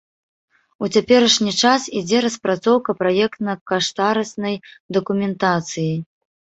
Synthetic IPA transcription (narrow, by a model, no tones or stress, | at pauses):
ut͡sʲapʲɛɾɐʂnʲit͡ʂasid͡zʲɛɾɐspɾat̪sɔwkɐpɾajɛkt̪nɐkaʂt̪aɾɐsnɐjd̪ɐkumʲɛnt̪at̪sɨji